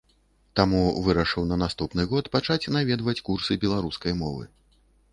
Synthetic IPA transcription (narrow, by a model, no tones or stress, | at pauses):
t̪amuvɨɾɐʂɨwnɐnast̪upnɨɣɔt̪pat͡ʂat͡sʲnavʲɛd̪vɐt͡sʲkursɨbʲɛlˠaɾuskɐjmɔvɨ̰